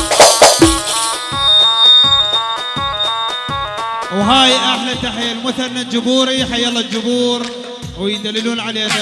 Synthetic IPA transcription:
wɦaːjʔaħlat̪aħajalmʊθanːad͡ʒʊbuːɾiħajalːad͡ʒʊbuːɾ | wjd̪alːɪluːnʕaleːna

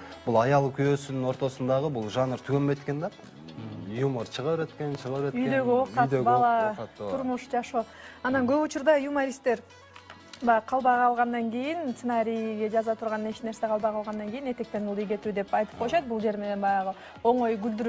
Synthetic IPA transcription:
b̥ʊlˠɑjɑlˠkʲʰyjøsɪnɪŋo̞ɾt̪o̞sənd̪ɑʁəbulˠʒɑnəɾt̪ʰykʲembet̪kʲe̞nd̪ɑ | juməɾt͡ʃʰəʁəɾet̪kʲeʃəʁəɾeyjd̪ø̞ɡʲiwoq̪ɑt̪d̪eɡbɑlˠɑt̪ʰʊɾmuʃd͡ʒɑʃoːɑnɑŋɡøput͡ʃuɾd̪ɑjumaɾʲist̪ːe̞ɾ | bɑjqʰɑlˠbɑjʁʰɑlˠʁɑnd̪ɑŋɡʲijɪnsenɑɾʲijɡʲe̞d͡ʒɑzɑt̪ʰuɾʁɑnne̞t͡ʃneɾseqʰɑlˠbɑjqʰɑlˠʁɑnd̪ɑŋɡʲejine̞t̪e̞k̚t̪e̞nulˠd̪ijɡʲe̞t̪yd̪e̞pɑjt̪ɯ̥p̚qʰojʃɑt̪̚bulˠd͡ʒe̞ɾme̞ne̞nbɑjɑʁə | o̞ɴo̞jɡʲyld̪yɾ

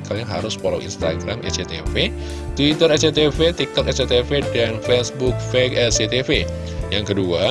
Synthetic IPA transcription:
kʰalaŋɦa̰ɾʊspola̰wḭnst̪a̰ɡɾamɛ̰t͡ʃet̪efe | t̪uit̪əɾɛt͡ʃet̪efet̪ik̚t̪ɔkɛt͡ʃet̪efedanfɛsbuk̚fɛkɛlset̪efe | jaŋkədua

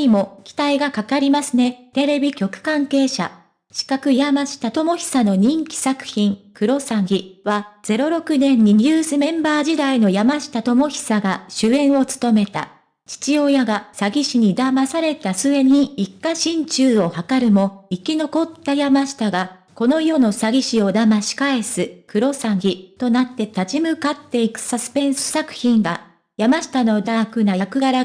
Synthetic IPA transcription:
imo̞kʲi̥t̪aiɡakakaɾʲimasɨne̞t̪e̞ɾe̞bʲikʲo̞kɯ̟̥kãŋke̞ːɕa̰ | ɕi̥kakɯ̟jamaɕi̥t̪at̪o̞mo̞çʲi̥sano̞ɲ̟ĩŋkʲi̥sakɯ̟̥çĩŋkɯ̟ɾo̞saɡʲiβaz̥e̞ɾo̞ɾo̞kɯ̟nẽ̞ɲ̟ːiɲʲɯːsɨmẽ̞mbaːd͡ʑid̪aino̞jamaɕi̥t̪at̪o̞mo̞çʲi̥saɡaɕɨẽ̞ɰ̃o̞t͡sɨ̥t̪o̞me̞t̪a̰ | t͡ɕi̥t͡ɕio̞jaɡasaɡʲiɕiɲ̟id̪amasaɾe̞t̪asɨe̞ɲ̟iikːaɕĩɲt͡ɕɨːo̞hakaɾɯ̟mo̞ikʲino̞ko̞t̪ːajamaɕi̥t̪aɡa | ko̞no̞jo̞no̞saɡʲiɕio̞d̪amaɕi̥kae̞sɨkɯ̟ɾo̞saɡʲit̪o̞nat̪ːe̞t̪at͡ɕimɯ̟kat̪ːe̞ikɯ̟̥sasɨ̥pẽ̞ɰ̃sɨ̥sakɯ̟̥çĩŋɡa | jamaɕi̥t̪ano̞d̪akɯ̟najakɯ̟ɡaɾa

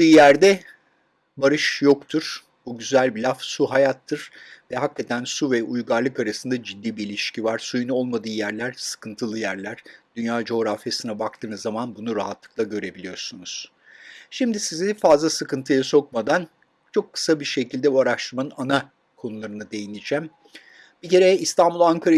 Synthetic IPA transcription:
ɯːjæɾd̪ɛ | baɾɯʃjo̞kt̪ʰuɾ̥ | buɟyzælʲbilʲafsuɦajat̪ʰːɯɾ̥vɛɦakːat̪ʰænsuvɛʔujɡaɾlˠɯkaɾasɯnd̪ad͡ʒid̪ːiːbiːlʲiʃcivaɾ̥sujuno̞lˠmad̪ɯːjæɾlʲæɾ̥sɯ̥kʰɯnt̪ʰɯlˠɯjæɾlʲæɾ̥d̪̥ynjaːd͡ʒo̞ɾafjasɯnɛbak̚t̪ʰɯːnɯzːamanbunuɾaɦat̪lˠɯklˠaɟø̞ɾe̞bilʲijo̞ɾsunuz̥ | ʃimd̪isizifazlˠasɯkɯnt̪ʰɯjaso̞k̚mad̪an | t͡ʃʰo̞kʰːɯ̥sabiɾʃe̞cʰilʲd̪ɛbuaɾaʃt̪ˠɯɾmanɯana | kʰo̞nulˠaɾɯnɯd̪e̞jinʲid͡ʒæm | bice̞ɾɛist̪ʰanbulˠaŋkʰaɾa

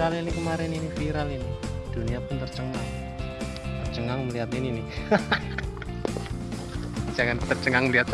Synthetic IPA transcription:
ɾalinikəmaɾɛninifiɾalinid̪̥ṳniapʊnt̪ərt͡ʃəŋaŋ | t̪ərt͡ʃəŋaŋməliɦat̪inini | d͡ʒ̥aŋant̪ərt͡ʃəŋaŋməliɦat̪̚

